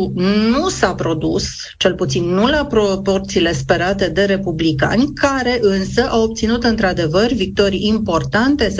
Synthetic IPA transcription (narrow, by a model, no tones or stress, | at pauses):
nnusapɾo̞d̪us | t͡ʃe̞lput̪sinːulapɾopo̞rt̪siːle̞spe̞ɾat̪e̞d̪e̞ɾe̞publika̰nʲkʰaɾe̞ʔɨnsəʔawop̚t̪sinut̪ɨnt̪ɾad̪e̞vərʲvik̚t̪o̞ɾiimpo̞rt̪ant̪e̞s